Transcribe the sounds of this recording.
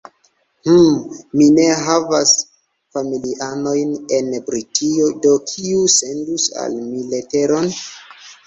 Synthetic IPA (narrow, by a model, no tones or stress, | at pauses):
h̩mine̞ɦavas | familiʔano̞jne̞nbɾitʰio̞do̞kʰiuse̞ndusa̰lmilete̞ɾo̞n